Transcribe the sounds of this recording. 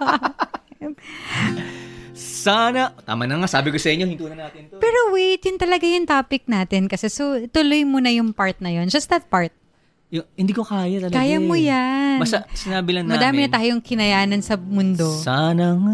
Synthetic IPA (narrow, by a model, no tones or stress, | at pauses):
saːnɐt̪a̰ːmɐnɐŋasaːbɪkosɐʔɪɲohɪnt̪uːnɐnaːt̪ɪntpɛːɾowejt̪ɪnt̪ɐlɐɡajʊŋt̪aːpɪk̚naːt̪ɪnkɐsɛsot̪ʊlojmonɐjʊŋpaɹt̪̚nɐjo̞nd͡ʒɐsd̪ɐt̪̚paɹt̪̚ | jʊhɪnd̪ikokaːjɐt̪ɐlɐkaːjɐmojanbast̪asɪnaːbɪlɐnmɐːd̪aːmɪnɐt̪aːjoŋkɪnɐjaːnɐnsɐmʊnd̪o̞saːnɐŋa